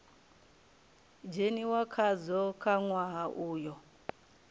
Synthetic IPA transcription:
d͡ʒeniwakʰad͡zɔkʰaŋwaɦaʔuːjɔ

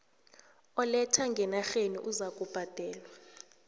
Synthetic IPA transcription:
ɔlɛtʰaŋɡʱɛnaxeniʔuzak̬ʼub̥ʱad̥ʱɛːlwa

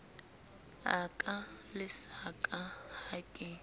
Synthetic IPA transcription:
akʼalɪsakʼahakʼɪ

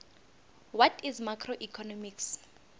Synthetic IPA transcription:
wɔtʰizmakʰroʔikʰɔnɔmiks

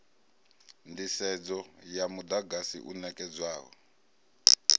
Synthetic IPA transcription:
ndisɛd͡zɔjamud̪aɡasḭʔunɛkɛd͡zwaːɦɔ̰

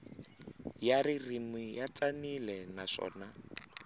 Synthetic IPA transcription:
jaririmijat͡sanilɛnaʂɔ̰ːna

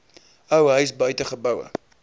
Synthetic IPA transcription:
əwɦœɥsbœɥtəχəbəwə̰

